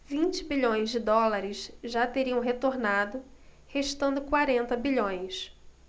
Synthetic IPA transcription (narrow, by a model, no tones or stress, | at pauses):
vĩnt͡ʃɪ̥biʎõj̃zd͡ʒɪd̪ɔlaɾɪsʒat̪eɾiɐ̃w̃ɦet̪oɾnad̪ʊ | heʃt̪ɐ̃nd̪ʊkwaɾẽnt̪ɐbiʎõj̃s